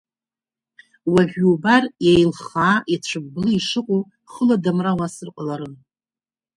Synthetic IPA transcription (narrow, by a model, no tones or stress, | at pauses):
waʒʷᶣuːbarjejlχaːʔit͡ɕʷʰɨb̚ːɨlɨiʂɨqʷʼo | χəladamrawasɨrqʼalaɾɨn